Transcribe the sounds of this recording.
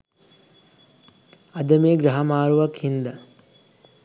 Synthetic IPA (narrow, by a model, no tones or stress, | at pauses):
ɐd̪ɐmeːɡɾɐɦɐmaːɾuʋɐkhind̪ɐ